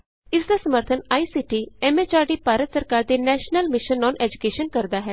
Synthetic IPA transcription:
ɪsd̪aːsəməɾt̪ʰənaːiːsiːʈiːɛːmeːt͡ʃaːɖiːpaːɾət̪səɾkaːɾd̪eːnɛːʃnəlmɪʃənːɔːnʔɛːd͡ʒʊkeːʃənkəɾd̪aːɦɛː

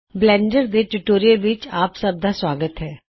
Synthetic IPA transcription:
blɛ̃ːɳɖəɾd̪eːʈuʈoːɾijəlʋɪt͡ʃaːpsəb̚d̪aːswaːɡət̪ɦɛː

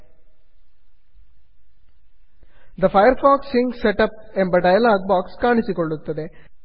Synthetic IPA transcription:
d̪ɐpʰɐjɐɾpaːksiŋɡseʈɐp̚embɐɖɐjɐlaːɡ̚baːkskaːɳisikoɭːut̪ːɐd̪e̞

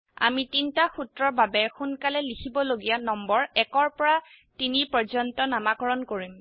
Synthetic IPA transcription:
a̰mitintaxutɹɔɹbabɛxunkalɛlikʰibɔloɡijanɔmbɔɹɛkɔɹpɔɹa | tinipɔd͡ʒɔntɔnamakɔɹɔnkoɹim

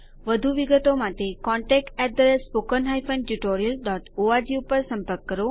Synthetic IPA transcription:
ʋəd̪ʱuʋiɡət̪omat̪ekɔ̃ɳʈɛk̚ʈɛʈ̚d̪əɾespokənɦajfʰə̃nɖʈuʈoɾiəlɖɔːʈoad͡ʑiupəɾsə̃mpəɾkːəɾo

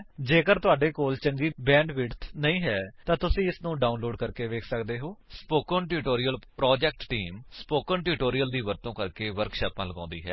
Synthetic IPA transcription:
d͡ʒeːkəɾt̪ʊaːɖeːkoːlt͡ʃəŋɡiːbɛ̃ːɳɖʋɪɽt̪ʰnəĩːɦɛːt̪ãːt̪ʊsĩːɪsnũːɖaːunloːɖkəɾkeːʋeːkʰsəkd̪eːɦoːspoːkənʈuːʈoːɾijəlpɾɔːd͡ʒɛːk̚ʈʈiːmspoːkəɳʈuːʈoːɾijəld̪iːʋəɾt̪õːkəɾkeːʋəɾkʃɛːpãːləɡãːnd̪ḭːɦɛ̰ː

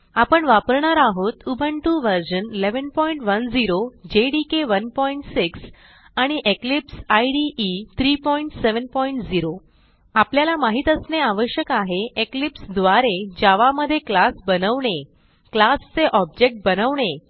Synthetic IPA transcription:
apəɳʋapəɾɳaɾaɦot̪ubʱəɳʈuʋəɾɕənileʋənpɔiɳʈʋənd͡ziɾod͡ʑeɽikeʋənpɔiɳʈsiks | aɽ̃iʔeklipsajɖiʔːt̪ʰɾiːpɔiɳʈseʋənpɔiɳʈd͡ziɾo | apljalamaɦit̪əsneaʋəɕjəkaɦeeklipsd̪ʋaɾed͡ʑaʋaməd̪ʱːjeklasbənəʋɳe | klast͡seʔɔb̚d͡ʑek̚ʈ̚bənəʋɳ̃e

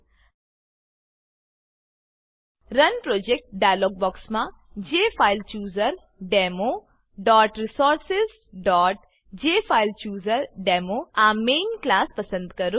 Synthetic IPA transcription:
ɾɐnpɾoːd͡ʒek̚ʈ̚ɖaːjloːɡ̚bɔːksmã | d͡ʒeːfʰaːɪlt͡ʃjuːzəɾ | ɖeːmo | ɖɔːʈɾisoːɾsɪz | ɖɔːʈ̚ | d͡ʒeːfʰaːɪlt͡ʃjuːzəɾɖeːmoaːmeːnklaːspɐsə̃nd̪kɐɾu

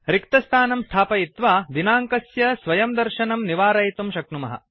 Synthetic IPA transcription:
ɾikt̪ɐst̪ʰaːnɐmst̪ʰaːpɐit̪ʋaːd̪inaːŋkɐsjɐsʋɐjɐmd̪ɐɾʃɐnɐmniʋaːɾɐjt̪umʃɐknumɐɦɐ̰

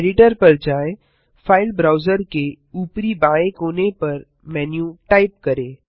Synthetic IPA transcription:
ɖɪʈəɾpɐɾd͡ʒaːe | faːɪlbɾaːʊzəɾke | uːpɾibaːẽkoːnepɐɾ | mɛːnjũʈaːɪp̚kɐɾeː

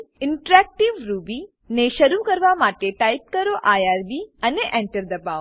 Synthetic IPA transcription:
ɪɳʈɾɛk̚ʈiʋɾuːbi | neʃəɾukəɾʋamaːʈeʈajp̚kəɾoʔajaːɾbiəneʔɛ̃ɳʈəɾd̪ɐbaw

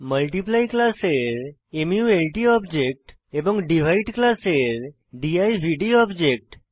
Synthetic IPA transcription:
məlʈiplajklaseɾ | emjuelʈiɔbd͡ʑek̚ʈ | ebɔ̃ŋɡɖiʋ̤ʱaiʈklaseɾ | ɖiajʋʱiɖiɔbd͡ʑek̚ʈ

